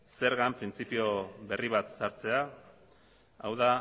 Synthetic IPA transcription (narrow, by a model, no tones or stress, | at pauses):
se̞ɾɣampɾint͡sipio̞βe̞riβat̪saɾt͡se̞a | awða